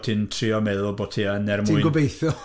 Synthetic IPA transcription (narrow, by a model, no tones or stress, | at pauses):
tʰɪntʰriɔmɛðʊlˠboːtʰiənɛrmʊnɡʊbejθɔ